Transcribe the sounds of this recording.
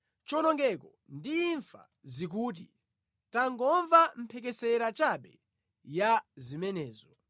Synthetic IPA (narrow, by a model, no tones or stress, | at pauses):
t͡ʃɔnɔŋɡɛkɔ | ndiːɱfa̰ | zik̬uːt̬ḭ | taŋɡɔɱvam̩pʰɛk̬ɛsɛɾat͡ʃaɓɛ̰ | jazimɛnɛːzɔ